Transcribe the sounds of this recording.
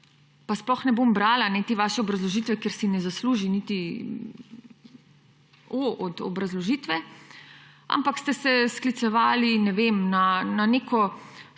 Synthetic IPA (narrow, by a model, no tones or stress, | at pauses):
pasplɔxnɛbombɾaːlanɛt̪eːʋaːʃɛɔbɾazlɔʒiːt̪ʋɛkeɾsinɛzasluːʒinit̪i | oʔɔd̪ɔ̰bɾazlɔʒiːt̪ʋɛ | a̰mpakst̪ɛsɛsklit̪sɛʋaːlinɛʋemnananekʰɔ